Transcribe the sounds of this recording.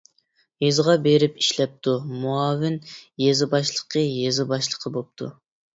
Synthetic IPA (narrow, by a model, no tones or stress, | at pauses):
jezʁɑbeɾɪpiʃlɛp̚t̪ʰumuɑːvɪnjezɨbɑʃlˠəqʰəjezɨbɑʃlˠəqʰəbop̚t̪ʰṵ